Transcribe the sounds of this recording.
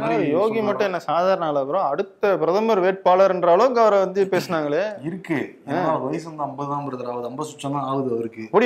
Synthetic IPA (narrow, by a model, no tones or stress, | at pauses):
joːɣimɐʈːʊ̃ɛnːɐsaːðaːɾɐɳɐːlɐɐpːɪɾõɐɽɯt̪ːɐpɪɾɐðɐmɐɾʋeːʈ̚paːlɐɾɛndɾaːlõɡɐʋɐɾɐ̃ʋɐnd̪ɯpeːsɯnaːŋɡɐɭeːɪɾɯkːɯ | ẽaːlɐʋɐjɐsɐnd̪ãːɐmbɐɯðãːmɐɾɐðɐɾaːʋɐðɯɐmbɐsʊt͡ʃːɐ̃nd̪ãːaːʋɐðɯɐʋɐɾɯkːɯpːɐɽɪ